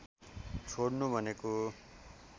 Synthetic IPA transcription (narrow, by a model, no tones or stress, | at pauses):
t͡sʰoɽnubʱʌneko